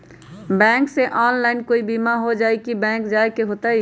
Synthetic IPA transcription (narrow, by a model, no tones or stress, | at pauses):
bɛ̃ːŋkseʔaːnlaːɪnkoːibimaɦod͡ʒaːikibɛ̃ːŋkd͡ʒaːekeɦot̪ai